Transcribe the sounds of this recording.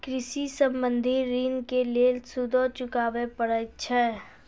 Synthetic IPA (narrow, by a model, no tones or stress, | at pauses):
kɾɪsisə̃mbə̃nd̪ʱiɾiːnkelelsud̪ʱot͡ʃʊkaːʋepəɽət͡ʃʰɛ